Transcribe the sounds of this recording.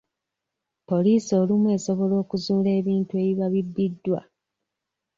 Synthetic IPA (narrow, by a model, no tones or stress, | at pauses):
po̞liːsio̞ːlimwe̞ːso̞βo̞lo̞ːkuzuːle̞ːβiːntue̞ːβiβaβibːidːwa̰